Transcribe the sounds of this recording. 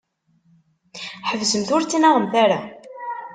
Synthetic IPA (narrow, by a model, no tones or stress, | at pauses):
ħəvzəmθʊɾt͡sːinaʁəmθaɾa